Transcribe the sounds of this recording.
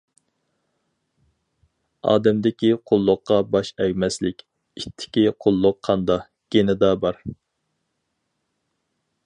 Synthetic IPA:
ɑ̰ːd̪ɛmd̪ɪkʲiqʰʊlˠːʊqːɑbɑʃɛɡʲmɛslɪkʲ | it̪ʰːɪ̥kʲiqʰolˠːʊqʰːɑnd̪ɑ | ɡ̥ʲenɪd̪ɑbɑɾ

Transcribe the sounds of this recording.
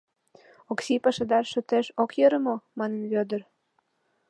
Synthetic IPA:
oksipɑʃəd̪ɑrʃə̆t̪eʃokjəɾə̆momɑnənβød̪ər

